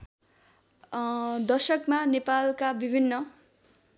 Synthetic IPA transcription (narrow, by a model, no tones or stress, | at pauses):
d̪ʌsʌkmanepalkabibʱinːʌ